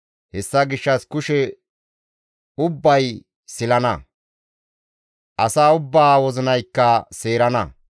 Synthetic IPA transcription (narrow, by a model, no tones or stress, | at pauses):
hɛsːɐɡɪʃːɐskʊʃɛ | ʊbːɐj | sɪlɐnɐ | ʔɐsaːʊbːaːwɔzɪnɐjkːɐseːɾɐnɐ